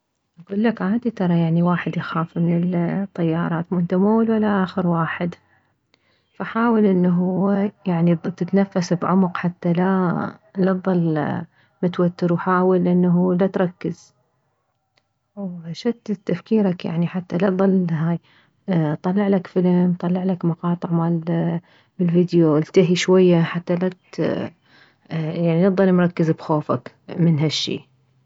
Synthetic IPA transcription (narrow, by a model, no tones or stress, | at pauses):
ʔaɡuːlːakʕaːd̪it̪ɑɾˤɑjaʕniwaːħɪd̪jaxaːfmɪnɪlt̪ˤːajːɑːɾˤɑːt̪muʔɪnt̪amuːlwalːaʔaːxəɾwaːħɪd̪ | faħaːwalʔɪnːɦʊjaʕnit̪ɪt̪nafːasbʕʊmqħat̪ːalalɑt̪ðˤɑlː | mʊt̪wat̪ːɪɾwħaːwalʔɪnːɦulat̪ɾˤɑkːɪz̥ | wʃat̪t̪ːafkiːɾakja̰ʕniħat̪ːalat̪ðˤɑlːɦaːj | t̪ˤɑlːɑʕlakfɪlmt̪ˤɑlːɑʕlakmɑqɑːt̪ˤəʕmaːl | bɪlvid̪joʔɪlt̪aɦiʃwajːaħat̪ːalat̪ | jaʕninɑt̪ðˤɑlmɾˤɑkːɪzbxoːfa̰k | mɪnɦaʃːḭː